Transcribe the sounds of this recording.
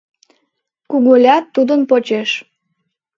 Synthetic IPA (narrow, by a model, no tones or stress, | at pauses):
kuɣolʲɑt̪ːud̪ənpot͡ɕeʃ